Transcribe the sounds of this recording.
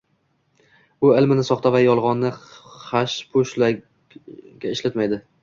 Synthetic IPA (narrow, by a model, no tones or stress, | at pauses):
ʊɪlmɪnɪsɒχt̪ʰavajɒlˠʁɒnːɪχaʃpʰʊʃla | ɡʲaɪʃlat̪majd̪ɪ